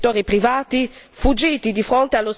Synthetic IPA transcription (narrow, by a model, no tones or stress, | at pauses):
t̪ːoːɾipɾivaːt̪i | fud͡ʒiːt̪id̪ifɾont̪ealːos